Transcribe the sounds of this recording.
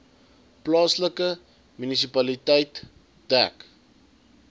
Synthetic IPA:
plɑːsləkə | mynis̬ipɐlitɛjt | dæ̰k

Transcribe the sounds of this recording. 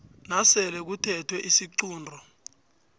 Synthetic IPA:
nasɛlɛk̬utʰɛtʰwɛʔisiǀuːndʱɔ

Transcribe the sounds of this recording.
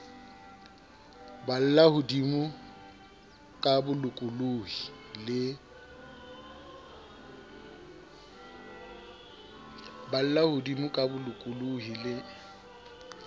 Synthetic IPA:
bal̩lahʊdimʊ | kʼabʊlʊkʼʊluhi | lɪ | bal̩lahʊdimʊkʼabʊlʊkʼʊluɦilɪ

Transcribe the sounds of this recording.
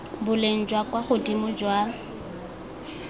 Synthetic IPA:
bʊlen̩d͡ʒwakʼwaχʊdimʊd͡ʒwa

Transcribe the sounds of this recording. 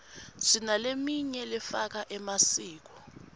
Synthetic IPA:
zinalemiɲɛlɛfak̬aʔɛmasiːk̬ɔ̥

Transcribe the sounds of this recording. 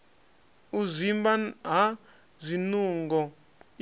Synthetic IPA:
uzʷimbaɦa | zʷinuŋɡɔ

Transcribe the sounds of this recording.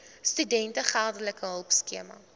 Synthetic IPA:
stydɛntəχærdələkəɦœlˠpskiəmɐ̰

